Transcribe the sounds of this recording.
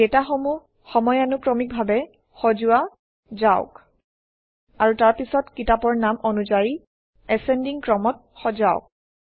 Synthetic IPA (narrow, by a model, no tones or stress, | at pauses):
ɛtaxɔmu | xɔmɔjanukɹɔmik̚bʱabɛ | xɔzʊwa | zaʊk | aɹutaɹpisɔtkitapɔɹnamɔnuzaɹi | ɛsɛndiŋkɹɔmɔt̚xɔzaʊk̚